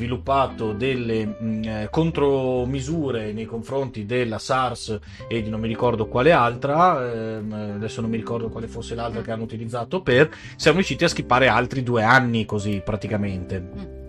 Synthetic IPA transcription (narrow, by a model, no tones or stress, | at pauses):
vilupːaːt̪od̪elːekont̪ɾomizuːɾenejkoɱfɾont̪id̪elːasars | ed̪inõmːiɾikɔrd̪okwaːlealt̪ɾa | ad̪ɛsːonõmːiɾikɔrd̪okwaːlefosːelalt̪ɾak̟eanːout̪ilid̪zːaːt̪oper | sjamoɾjuʃiːt̪iask̟ipːaːɾealt̪ɾid̪uːeanːikozipɾat̪ikament̪e